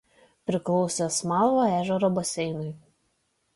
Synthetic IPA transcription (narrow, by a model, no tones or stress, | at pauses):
pʲɾʲɪklˠɒʊsʲɛsmɑˑlˠʋoæːʒʲɛɾɔbɐsʲɛɪnʊj